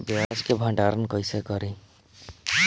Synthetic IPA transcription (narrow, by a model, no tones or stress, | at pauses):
bjad͡ʒkebʱə̃ɳɖaɾənkəɪsekəɾẽː